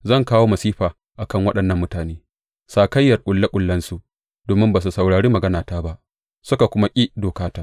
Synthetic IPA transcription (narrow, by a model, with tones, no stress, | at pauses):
zɐ˦˨ŋkaː˦woː˦mɐ˨siː˦ɸaː˨ | ʔa˨kɐ˦˨ŋwɐ˦ɗɐ˨nːɐ˦mːʊ˦taː˨neː˦ | saː˨kɐ˦jːɐ˨rkʷʼʊ˨lːa˦kʷʼʊ˨lːɐ˦nsu˨ʔ | d̥oː˨mɪ˦mbaː˨s̬u˨sɐ˨wɽaː˨ɽiː˦mɐ˨ɡɐ˦naː˨taː˦ba˦ʔ | sʊ˦ka˨kʷʊ˦ma˦kʲʼiː˦doː˨kaː˦taː˦